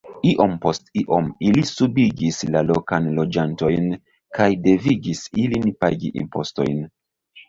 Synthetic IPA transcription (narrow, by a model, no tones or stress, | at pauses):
iʔo̞mpo̞stiʔo̞milisubiɡislalo̞kanlo̞d͡ʒanto̞jn | kajde̞viɡisilinpa̰ɡḭʔḭmpo̞̰sto̞̰jn